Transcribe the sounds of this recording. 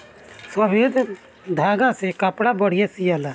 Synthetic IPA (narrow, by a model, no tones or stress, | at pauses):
səbiːd̪ | d̪ʱaːɡãːsekəpɽaːbəɽɪjasijala